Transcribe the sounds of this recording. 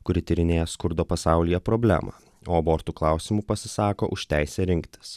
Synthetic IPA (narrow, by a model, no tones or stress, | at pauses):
kʊɾʲɪt̪ʲɪɾʲɪnʲeːjɛskʊɾd̪oːpɐsɑˑʊlʲɪjɛpɾɔːbʲlʲæ̰ːmɑ̰ː | oːɐboːɾt̪uːklˠɑʊsʲɪmupɐsʲɪsɑːkoːʔʊʃʲt̪ʲæɪsʲɛːɾʲɪŋʲkt̪ʲɪ̥s